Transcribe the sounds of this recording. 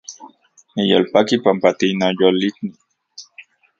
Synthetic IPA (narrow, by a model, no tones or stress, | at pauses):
nijolpakipampat̪inojolit̪ni